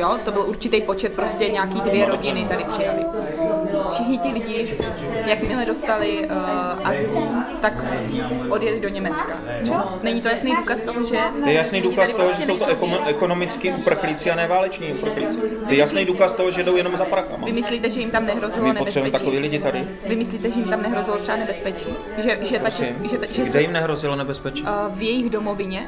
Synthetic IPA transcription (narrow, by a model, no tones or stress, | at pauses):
jot̪o̞bɪluɾt͡ʃɪt̪ɛjpo̞t͡ʃɛt̪̚pɾoscɛɲaːkiːdvjɛɾo̞ɟɪnɪt̪adɪpr̥ɪjalɪ | fʃɪxɲɪt̪ɪlɪɟɪ | jakmɪlɛdo̞st̪alɪʔat̪akʔodjɛlɪdo̞ɲɛmɛt͡ska | onɛɲɪt̪ojasnɛjduːkast̪oɦoʒɛt̪ojɛjasnijduːkast̪oɦoʒɛsowt̪oʔɛʔɛkonomɪt͡skiːʔupr̩xlit͡sɪanɛːvaːlɛt͡ʃɲiːupr̩xlit͡sit̪ojɛjasnɛjduːkast̪oɦoʒɛdo̞wjɛnomzapɾaxa̰mavɪmɪslit̪ɛʒɛjɪmt̪amnɛɦɾo̞zɪlonɛt̪sɛbuɛmɛt̪akoviːlɪɟɪt̪adɪ | vɪmɪsliːt̪ɛʒɛjimt̪amnɛɦɾozɪlot̪r̥ɛanɛbɛspɛt͡ʃi | ʒɛʒɛt̪at͡ʃɛʒɛt̪ʒɛɡdɛjɪmnɛɦɾozɪlonɛbɛspɛt͡ʃivjɛjɪɣdomovɪɲɛ